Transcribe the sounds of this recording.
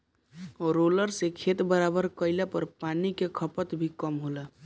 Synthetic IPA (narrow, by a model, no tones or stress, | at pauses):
ɔɾoləɾsekʰet̪bəɾabəɾkəɪlepəɾpanikekʰəpət̪bʱikəmɦolə